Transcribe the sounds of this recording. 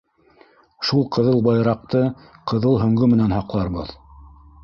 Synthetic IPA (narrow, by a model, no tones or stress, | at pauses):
ʃulˠqɤ̆ðɤlˠbɑjɾɑq̚t̪ɤ | qʰɤ̆ðɤlˠɦɵ̆ŋɡɵmɘ̆nænɦɑqlˠɑɾbɤ̰ð